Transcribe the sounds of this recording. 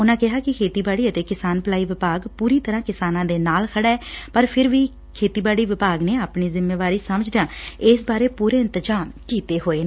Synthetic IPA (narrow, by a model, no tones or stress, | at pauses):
ʊnãːkɪɦaːkɪkʰeːt̪iːbaːɽiːət̪eːkɪsaːnpəlaːiːʋɪpaːɡpuːɾiːt̪əɾãːkɪsaːnãːd̪eːnaːlkʰəɽaːɛːpəɾpʰɪɾʋiː | kʰeːt̪iːbaːɽiːʋɪpaːɡneːaːpɳiːzɪmːeːʋaːɾiːsəməd͡ʒd̪ãːɪsbaːɾeːpuːɾeːɪnt̪əd͡ʒaːmkiːt̪eːɦoːeː